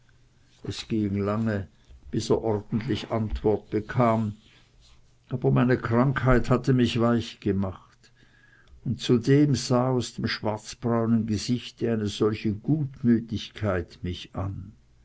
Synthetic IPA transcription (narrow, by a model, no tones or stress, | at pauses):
ʔɛsɡ̥iːŋlaŋə | b̥ɪseːɐʔɔʁd̥n̩tlɪçʔantv̥ɔɐt̚b̥əkʰaːm | ʔaːbɐmaɪnəkʁ̥aŋkhaɪthatəmɪçv̥aɪçɡ̥əmaχt | ʊntt͡sudeːmzaːaʊsd̥eːmʃv̥aɐt͡sb̥ʁaʊnənɡəzɪçtəaɪnəz̥ɔlçəɡuːtmyːtɪçkʰaɪtmɪçʔan